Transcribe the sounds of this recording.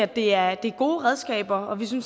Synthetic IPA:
æd̥e̝æɐd̥e̝æɐɡ̥o̝ːʁɛð̞ˠsɡ̥ɛ̰ːb̥ɐɒ̽ʋisyns

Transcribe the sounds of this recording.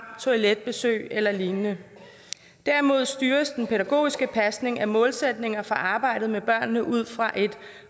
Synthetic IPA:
t͡sʰoiled̥̚b̥e̝sø̰ːɪelɐlinnə | d̥æɐimo̝ð̞̰ˠsd̥yːɐsd̥enpʰe̝ɾæɡ̥o̝̰ːisɡ̥əpʰæsne̝ŋæmɔ̽ːlsed̥ne̝ŋɐfʁɑ̈ʔɑ̈ːb̥ɑ̈ɪ̰d̥ð̩ˠmeb̥ɶɐ̰nːəʔuð̞̰ˠfʁɑ̈ʔe̝d̥

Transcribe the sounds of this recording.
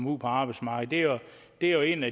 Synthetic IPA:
mupʰɒɑ̈ːb̥ɑɪdsmɑ̈ɡ̥̩ˠd̥e̝o | d̥e̝æjoe̝̰næ

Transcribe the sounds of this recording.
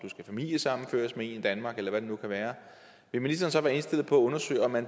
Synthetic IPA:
d̥usɡ̥æfæmil̰jəsɑ̈m̰n̩fø̰ːɐsmee̝nid̥ænmɑ̈ːɡ̥elɐʋæd̥e̝nukʰæʋæːɐ | ʋe̝lminisd̥ɐːnsɒ̽ʋæːɐe̝nsd̥e̝l̰ð̩ˠpʰɒ̽æɔ̽nɐsø̰ɪ̰ɒ̽mːæn

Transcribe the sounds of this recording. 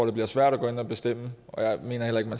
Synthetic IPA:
de̝b̥liɐsʋæɐ̰ɾæɡ̥o̽ːe̝nɒb̥e̝sd̥em̰əɒ̽jɑ̈ɪme̝̰ːnɐɦel̰ɐe̝ɡ̥mæn

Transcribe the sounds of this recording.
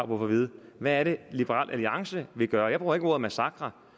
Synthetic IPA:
pʰɔfɒʋið̞ˠʋæːɐɾe̝lib̥əʁɑ̰̈lʔæliɑ̈ŋsəʋe̝ɡ̥ɶːɐjɑ̈b̥ʁuːɐe̝ɡəo̝ɐðˠmæsɑ̈ɡ̥ʁɑ

